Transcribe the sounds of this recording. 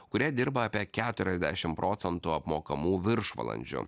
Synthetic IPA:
kʊɾʲiɛd̪ʲɪɾbɐɐːpʲiɛkʲæːt̪ʊɾʲɛzʲd̪ʲæʃʲɪmpɾʔoːt̪sʲɛnt̪uːɐpmoːkɐmuːʋʲɪɾʃʋɐ̰lˠɐ̰nʲd͡ʒʲʊ̰

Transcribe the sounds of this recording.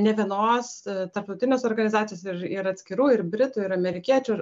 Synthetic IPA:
nʲɛʋʲiɛnoːst̪ɐɾp̚t̪ɐʊt̪ʲɪnʲeːsoːɾɡɐnʲɪzɑːt̪sʲɪjoːsɪɾɪɾɐt̪ʲsʲkʲɪɾuːɪɾbʲɾʲɪt̪uːɪɾɐmʲɛɾʲɪkʲiɛt͡ʃʲuɪɾ

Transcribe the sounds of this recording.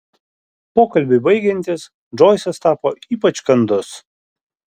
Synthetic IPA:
poːkɐlʲbʲɪbɐɪɡʲɛnʲt̪ʲɪs | d͡ʒɔːɪsɐst̪ɑːpoːiːpɐt͡ʃkɐnd̪ʊs

